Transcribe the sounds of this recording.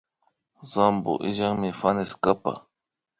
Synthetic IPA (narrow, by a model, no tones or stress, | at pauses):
zambo̰ʔɪʒaŋmɪfanɪskapa̰